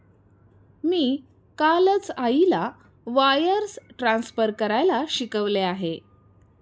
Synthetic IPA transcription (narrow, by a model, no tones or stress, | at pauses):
miː | kalət͡saila | ʋajəɾsʈɾãnsfəɾkəɾajlaɕikəʋleaɦe